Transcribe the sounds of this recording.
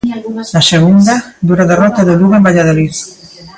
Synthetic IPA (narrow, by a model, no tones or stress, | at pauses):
naseɣ̞und̪ad̪uɾaðerɔt̪aðoluɣembaʎað̞oliθ